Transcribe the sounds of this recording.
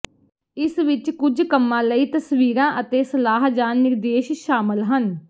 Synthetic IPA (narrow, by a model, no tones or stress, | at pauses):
ɪsʋɪt͡ʃkʊd͡ʒkəmːãːləiːt̪əsʋiːɾãːʔət̪eːsəlaːɦd͡ʒaːnːɪɾd̪eːʃʃaːmɪlɦən